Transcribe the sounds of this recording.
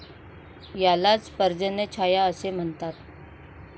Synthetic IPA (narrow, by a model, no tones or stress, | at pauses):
jalat͡spəɾd͡ʑənət͡ɕʰajaəsem̤ənt̪at̪̚